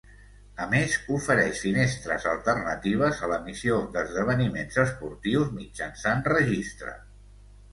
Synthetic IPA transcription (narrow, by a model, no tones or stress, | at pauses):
əmezufəɾɛʃfinest̪ɾə̰zə̰lˠt̪ərnət̪iβ̞əzələmisiod̪əzðəβ̞ənimenzəspuɾt̪iwzmid͡ʒənsanrəʒist̪ɾə̰